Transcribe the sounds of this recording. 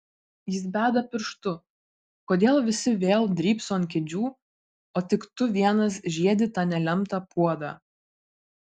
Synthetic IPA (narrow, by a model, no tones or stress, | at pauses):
jɪs̬bʲæːd̪ɐpʲɪɾʃt̪ʊ | koːd̪ʲeːlˠʋʲɪsʲɪʋʲeːlˠd̪ʲɾʲiːpsoːnʲkʲɛd͡ʒʲuː | oːt̪ʲɪkt̪ʊʋʲiɛnɐs̬ʒʲiɛd̪ʲɪt̪ɑːnʲɛlʲɛmt̪ɑpuɔd̪ɑ̰ː